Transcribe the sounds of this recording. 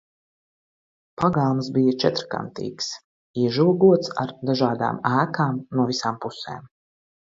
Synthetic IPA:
paɡaːmsbijat͡ʃɛt̪ɾka̰nt̪ḭːks | iɛʒuɔɡuɔt̪sa̰ɾd̪aʒaːd̪a̰ːmæːkaːmnuɔvisaːmpusḛːm

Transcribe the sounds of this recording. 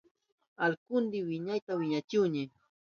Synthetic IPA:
alkʊnd̪ɪwɪɲajt̪awɪɲat͡ʃʊwɲɪ

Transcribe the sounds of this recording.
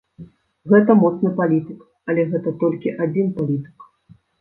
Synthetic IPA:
ɣɛt̪ɐmɔt̪snɨpalʲit̪ɨk | ɐlʲɛɣɛt̪ɐt̪ɔlʲkʲiʔad͡zʲinpalʲit̪ɨ̥k

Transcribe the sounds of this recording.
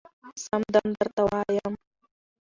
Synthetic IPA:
samd̪amd̪əɾt̪awaːjam

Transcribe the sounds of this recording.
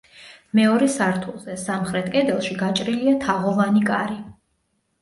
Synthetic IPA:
mɛɔɾɛsaɾt̪ʰulˠzɛsamχɾɛt̪ʰkʼɛd̪ɛlˠʃiɡat͡ʃʼɾiliat̪ʰaʁɔvanikʼaɾi

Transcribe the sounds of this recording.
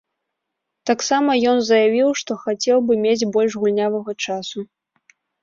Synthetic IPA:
t̪aksamɐjɔnzɐjavʲiwʂt̪ɔxat͡sʲɛwbɨmʲed͡zʲbɔlʲʐɣulʲnʲavɐɣɐt͡ʂasu

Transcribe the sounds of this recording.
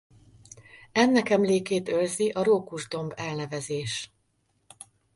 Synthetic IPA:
ɛnːɛkɛmleːkeːt̪ølziʔɒɾoːkuʒd̪o̞mbɛlnɛvɛzeːʃ

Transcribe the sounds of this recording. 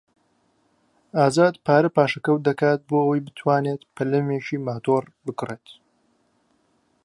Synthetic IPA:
aːzaːd̪pʰaːɾɐpaːʃɐkɐwd̪ɐkaːt̪̚boːɐwɐjbɨt̪ʰwaːneːt̪pʰɐlɐmet͡ʃiːmaːt̪ʰoːrbɨkreːt̪

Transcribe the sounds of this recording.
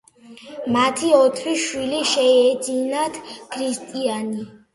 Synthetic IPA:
mat̪ʰiɔt̪ʰɾiʃwiliʃɛɛd̪zinat̪ʰkʰɾist̪ʼiani

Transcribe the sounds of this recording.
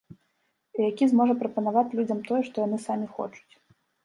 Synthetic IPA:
ijakʲizmɔʐɐpɾɐpɐn̪avat͡sʲlʲud͡zʲɐmt̪ɔjɛʂt̪ɔjan̪ɨsamʲixɔ̰t͡ʂu̥t͡sʲ

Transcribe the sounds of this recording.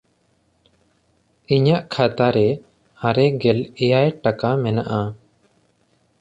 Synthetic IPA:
iɲaʔkʰat̪aɾɛ | aɾɛɡɛlɛjajʈakamɛnaʔa

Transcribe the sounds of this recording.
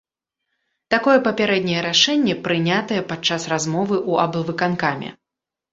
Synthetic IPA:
t̪akɔjɛpɐpʲaɾɛd̪̚ʲnʲɐjɛɾaʂɛnʲːɛpɾɨnʲat̪ɐjɛpat͡ʂːasrazmɔvɨʔuɐblˠvɨkankamʲɛ̰

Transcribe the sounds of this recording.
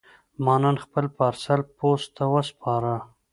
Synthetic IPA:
mɑnɑnxpəlpaɾsalpost̪ːawəspʰɑɾa

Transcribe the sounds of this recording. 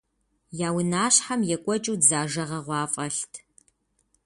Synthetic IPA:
jaːwʊnaːɕħamjɛkʷʼɔt͡ʃʼuwdzaːʒɐʁɐʁʷɑːfʼɐɬtʰ

